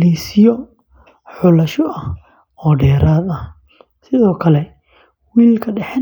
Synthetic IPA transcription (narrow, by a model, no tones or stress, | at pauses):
lisɪjɔ | ħʊlɐʃɔʔɐh | ɔːɖɛːɾʔaːd̪ɐh | sɪðɔːkʰɐlɛ | wiːlkʰɐɖɛħɛ